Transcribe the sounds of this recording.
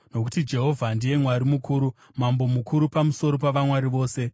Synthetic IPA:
no̞ku̥tid͡ʒe̞ɦo̞vʱandije̞mwaɾimukuːɾu | mambo̞mukʰuɾupamuso̞ɾo̞paʋamwaɾiʋo̞ːse̞

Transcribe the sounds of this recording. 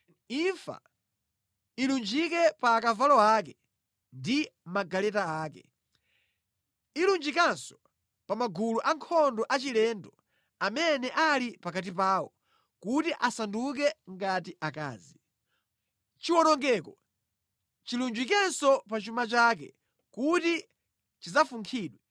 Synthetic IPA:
iɱfa̰ | ilund͡ʒikɛpaːkavalɔakɛ | ndimaɡalɛtaaːkɛ̰ | ilund͡ʒikansɔ̥ | pamaɡuluʔaŋkʰɔndɔʔat͡ʃilɛndɔ | amɛnɛʔalipakat̬ipaːwɔ̰ | kutiʔasanduk̬ɛŋɡatiʔaka̰ːzi | t͡ʃiwɔnɔŋɡɛːkɔ | t͡ʃilund͡ʒikɛnsɔpat͡ʃumat͡ʃaːk̬ɛ̰ | kuti | t͡ʃizafuŋkʰiːɗwɛ

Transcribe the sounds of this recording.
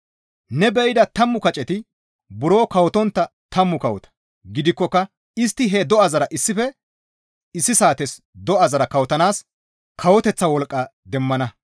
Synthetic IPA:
nɛbɛɪd̪ɐt̪ɐmːʊkɐt͡ʃʼɛt̪ɪ | bʊɾo̞ːkɐwɔt̪ɔnt̪ːɐt̪ɐmːʊkɐwɔt̪ɐ̥ | ɡɪd̪ɪkːɔkːɐ | ɪst̪ːɪɦɛd̪ɔɐzɐɾɐʔɪsːɪfɛ | ɪsːɪsaːt̪ɛs | d̪ɔʔɐzɐɾɐkɐwɔt̪ɐnaːs | kʰɐwɔt̪ɛt͡sːɐwɔlkʼːɐd̪ɛmːɐnɐ

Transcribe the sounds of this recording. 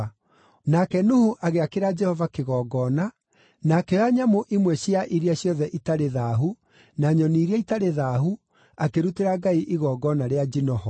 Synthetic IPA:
nakɛnuhuʔaɣeakeɾad͡ʒɛhɔvakeɣɔɡɔːna | nakɛaɲamoʔimwɛɕjaʔiɾiaɕjɔðɛʔitaɾeðaːɦu | naɲɔniɾiaitaɾeðaɦu | akeɾuteɾaɡaiʔiɣɔːɡɔnaɾead͡ʒinɔhɔ

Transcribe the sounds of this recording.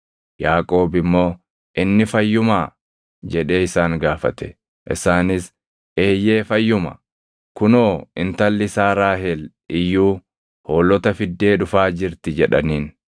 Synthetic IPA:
jaːkʼo̞ːbɪmːo̞ː | ʔɪnːɪfɐjːʊmaː | d͡ʒɛᶑe̞ːɪsaːŋɡaːfɐ̰t̪ɛ̥ | ʔɪ̰saːnɪs | e̞ːjːe̞ːfɐjːʊmɐ̰ | kʊnoːɪnt̪ɐlːɪsaːɾaːɦɛl | ɪjːuː | ho̞ːlːɔt̪ɐfɪd̪ːe̞ːᶑʊfaːd͡ʒɪɾt̪ɪd͡ʒɛᶑɐniːn

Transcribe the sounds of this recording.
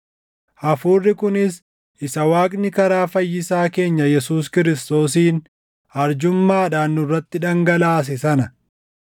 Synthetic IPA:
ʔɐfuːrːɪkʊnɪs | ʔɪsɐwaːkʼnɪkɐɾaːfɐjːɪsaːke̞ːɲːɐjɛsuːs̬kɪɾɪst̪o̞ːs̬iːn | ɐɾd͡ʒʊmːaːᶑaːnːʊrːɐt̪ːɪᶑɐŋɡɐlaːs̬ɪsɐnɐ

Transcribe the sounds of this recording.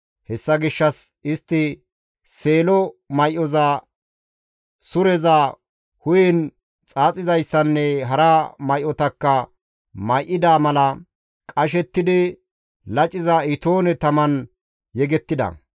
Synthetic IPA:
hɛsːɐɡɪʃːɐs | ɪst̪ːɪ | se̞ːlɔmɐjʔɔza | sʊɾɛzɐ | hʊjɛn | t͡sʼaːt͡sʼɪzɐjsːɐnːɛɦɐɾɐmɐjʔɔt̪ɐkːɐ | mɐjʔɪd̪aːmɐlɐ | kʼɐʃ̬ɛt̪ːɪd̪ɪ | lɐt͡ʃʼːɪzɐɪt̪o̞ːnɛt̪ɐmɐn | jɛɡɛt̪ːɪd̪ɐ̰

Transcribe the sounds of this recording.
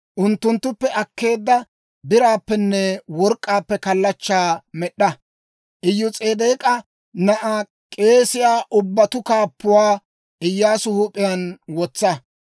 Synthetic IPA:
ʔʊnt̪ːʊnt̪ːʊpːɛʔɐkːe̞ːd̪ːɐ | bɪɾaːpːɛnːɛwɔɾkʼːaːpːɛkɐlːɐt͡ʃːaːmɛɗːɐ | ʔɪjːʊt͡sʼeːd̪eːkʼɐ | nɐʔɐ | kʼe̞ːsɪjaːʔʊbːɐt̪ʊkaːpːʊwaː | ʔɪjːaːsʊhʊpʼːɪjɐnwɔt͡sːɐ

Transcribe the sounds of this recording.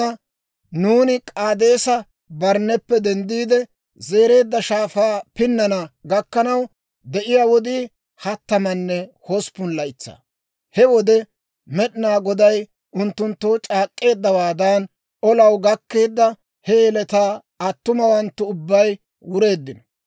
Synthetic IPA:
ɐ | nuːnɪkʼaːd̪e̞ːsɐ | bɐɾnːɛpːɛd̪ɛnd̪iːd̪ɛ | ze̞ːɾe̞ːd̪ːɐʃaːfaːpɪnːɐnɐɡɐkːɐnɐw | d̪ɛʔɪjaːwɔd̪iː | hɐt̪ːɐmɐnːɛhɔspʊnlɐɪt͡sːa̰ː | hɛwɔd̪ɛ | mɛɗɪnaːɡɔd̪ɐj | ʊnt̪ːʊnt̪ːowt͡ʃʼaːkʼːe̞ːd̪ːɐwaːd̪aːn | ɔlɐwɡɐkːe̞ːd̪ːɐ | hɛɛlɛt̪aː | ɐt̪ːʊmɐwɐnt̪ːʊʊbːɐj | wʊɾe̞ːd̪ːɪnɔ

